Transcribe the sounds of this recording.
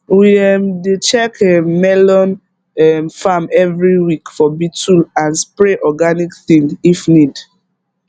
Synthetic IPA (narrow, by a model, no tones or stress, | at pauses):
wiɛmdet͡ʃɛkɛmɛlɔ̃n | ɛmfamɛvɹiwikfɔbitʰulãnspɹeʔɔɡanikθĩŋifnid